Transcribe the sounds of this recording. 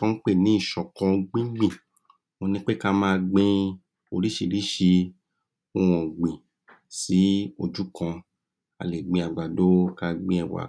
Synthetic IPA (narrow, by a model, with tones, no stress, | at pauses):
kã˦k͡pe˦˨nĩ˨˦i˦˨ʃɔ̃˨kɔ̃˧ɡ͡bĩ˦ɡ͡bĩ˦˨ | õ˧nĩ˦k͡pe˦ka˦mãː˦˧ɡ͡bẽ˧ | o˧ɾi˦ʃi˧˨ɾi˦ʃi˧ | õ˦wɔ̃˨ɡ͡bĩ˨ | si˨˦o˧d͡ʒu˦kã˧ | a̰˧le˨ɡ͡bĩ˧a˨ɡ͡ba˨do˨˦ka˦ɡ͡bẽ˧ɛ˧˨wa̰˨